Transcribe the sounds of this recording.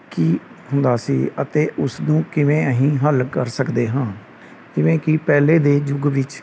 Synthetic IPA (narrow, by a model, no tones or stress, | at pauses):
kiː | hʊ̃nd̪aːsiːət̪eːʔʊsnũːkɪʋẽːəɦĩːɦəlkəɾsəkd̪eːɦãː | d͡ʒɪʋẽːkipɛːleːd̪eːd͡ʒʊɡʋɪt͡ʃ